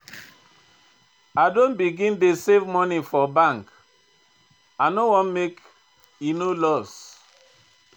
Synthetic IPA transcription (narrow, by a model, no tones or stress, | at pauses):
adõnbiɡĩndesevmɔnifɔbãŋk | anowɔ̃nmek | inolɔs